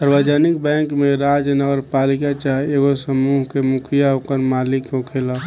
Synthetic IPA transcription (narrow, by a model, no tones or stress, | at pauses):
səɾbəd͡ʒanikbɛ̃ːŋkmẽɾaːd͡ʒjənəɡəɾpalikat͡ʃaɦeeɡosəmuːɦkemukʰijaɦokəɾmaːlikkõkʰela